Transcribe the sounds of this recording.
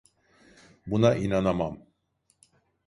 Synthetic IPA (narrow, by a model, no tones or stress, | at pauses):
bunaʔinanamam